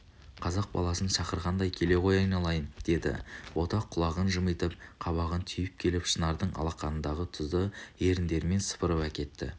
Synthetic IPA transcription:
qʰɑzɑq̚bɑ̰lˠɑsənʃɑqəɾʁɑnd̪ɑjkʲʰe̞le̞qʰo̞jɑjnɑlˠɑjənd̪̥e̞d̪ɪ̰wo̞t̪ɑqʰːʊlˠɑʁənʒəməjt̪əp̚qʰɑβɑʁənt̪ʰʏjɪp̚kʲʰe̞lɪpʃənɑɾd̪əɴɑ̰lˠɑqɑnənd̪ɑʁət̪ʰʊzd̪əe̞ɾɪnd̪e̞ɾɪme̞nsə̥pəɾəpækʲe̞t̪ːɪ̰

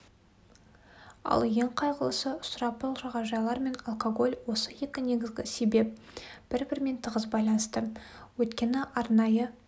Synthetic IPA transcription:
ɑ̰lˠje̞ŋqʰɑjʁəlˠəsəʊsʊɾɑpʊlˠʒɑʁɑʒɑjlˠɑɾme̞nɑlˠkoɡo̞lʲwo̞səje̞kʲɪne̞ɡʲɪzɡʲɪ̰se̞be̞p̚ | b̥ɪɾbɪɾme̞nt̪ʰəʁəzbɑjlˠɑnəst̪əwɵt̪kʲe̞nɪʔɑɾnɑjə

